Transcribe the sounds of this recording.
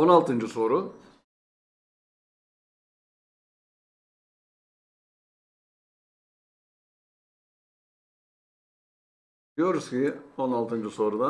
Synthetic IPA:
onalˠt̪ʰɯnd͡ʒɯso̞ːɾu | d̪ijo̞ɾuz̥cionalˠt̪ɯnd͡ʒɯso̞ːɾud̪a

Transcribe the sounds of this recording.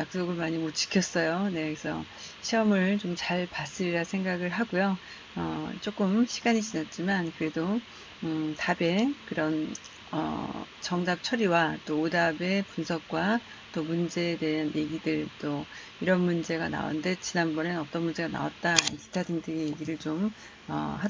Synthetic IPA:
jak̚s͈oɡɯɭmaɲimot͡ɕ͈i̥kʰjʌs͈ʌjone̞kesʰʌ | ɕʰiʌmɯɭt͡ɕomt͡ɕaɭpas͈ɯɾɾasʰeŋɡaɡɯɭɦaɡujo | ʌ̰t͡ɕ͈ok͈ɯmɕʰiɡaɲit͡ɕinat̚t͡ɕ͈imankɯɾe̞do | tabe̞kɯɾʌn | ʌ̰ | t͡ɕʌŋdap̚t͡ɕʰʌɾiwat͈oːdabe̞punsʰʌk̚k͈wa | t͈omund͡ʑe̞ːde̞ɦanje̞ɡidɯɭt͈o | iɾʌnmund͡ʑe̞ɡana̰o̰nde̞t͡ɕinanbʌnenʌt͈ʌnmund͡ʑe̞ɡana̰wat̚t͈aḭkʰi̥tʰadiŋdɯɡije̞ɡiɾɯɭt͡ɕom | ʌ̰had

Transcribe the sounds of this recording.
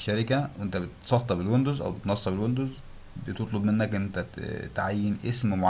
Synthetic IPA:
ʃːæɾɪkæwʔent̪æbet̪sˤɑt̪ːˤɑbelwond̪uzʔæ̰wbet̪nɑsˤːɑbelwond̪oz | bet̪ot̪ˤlobmenːækʔnːʔent̪æt̪ʕajːenʔesmmoʕ

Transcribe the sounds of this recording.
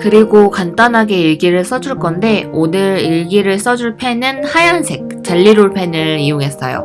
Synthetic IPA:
kɯɾiɡokant͈anɦaɡe̞iɭɡiɾɯɭs͈ʌd͡ʑuɭk͈ʌnde̞onɯɾiɭɡiɾɯɭs͈ʌd͡ʑuɭpʰe̞nɯnhajansʰe̞k̚t͡ɕ͈aʎːiɾoɭpʰe̞nɯɭijoŋɦe̞s͈ʌ̰jo̰

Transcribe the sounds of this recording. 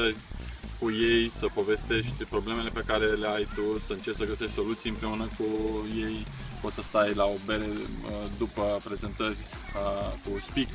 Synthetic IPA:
ərʲkuje̞jsəpo̞ve̞st̪e̞ʃt̪ʲpɾo̞ble̞me̞le̞pe̞kaɾe̞le̞ajt̪usəɨnt͡ʃe̞pt̪səɡəse̞ʃt̪ʲso̞lut̪sijɨmpɾe̞unəkuje̞jpo̞t̪səst̪ajlao̞be̞ɾed̪upəpɾe̞ze̞nt̪ərʲ | kuspik

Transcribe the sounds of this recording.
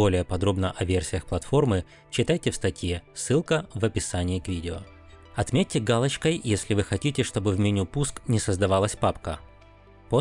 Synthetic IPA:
o̞lʲɪjəpɐd̪ɾo̞bnəʔɐvʲersʲɪjəxplˠɐt̪fo̞rmɨ | t͡ɕɪt̪ajtʲɪfst̪ɐtʲjesɨlˠkəvəpʲɪsanʲɪɪkvʲidʲɪo̰ | ɐt̪mʲet̚ʲːɪɡalˠət͡ɕkəjjesʲlʲɪvɨxɐtʲitʲɪʂt̪o̞bɨvmʲɪnʲupusknʲɪsəzd̪ɐvalˠəsʲpapkə̰ | po

